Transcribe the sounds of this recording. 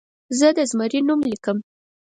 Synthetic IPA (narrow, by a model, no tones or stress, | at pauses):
zəd̪əzməɾinumlikəm